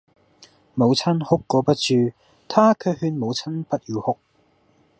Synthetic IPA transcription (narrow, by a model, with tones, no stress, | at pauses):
mo˨˧wt͡sʰɐ˥nhʊ˥kːɔː˨˧pɐ˥t̚t͡ʃyː˧ | t̪ʰaː˥kʰɵ˨˧hyː˧nmo˨˧wt͡sʰɐ˥npɐ˥t̚jiː˨˧whʊ˥k̚